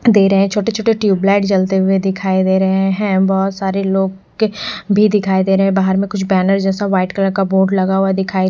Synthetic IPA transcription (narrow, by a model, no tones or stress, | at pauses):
d̪eːɾɐɦeɛ̃t͡ʃʰoːʈet͡ʃʰoːʈeʈjuːblaːɪʈt͡ʃɐlt̪eɦʊed̪ɪkʰaːid̪eːɾɐɦeɛɦɛ̃bɔːt̪saːɾeloːɡ | bʱid̪ɪkʰaːid̪eːɾɐɦɛ̃baːɦəɾmẽkʊt͡ʃʰbɛːnəɾd͡ʒɛːsaʋaːɪʈkələɾkaboːʈlɐɡaɦʊad̪ɪkʰaːi